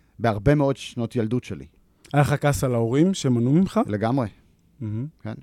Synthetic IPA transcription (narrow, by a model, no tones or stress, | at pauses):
beaʁbe̞meo̞dʃno̞t̪jaldutʃelḭ | alχakasalaoʁimʃemanumimχaleɡamʁe | m̩ɦm̩ken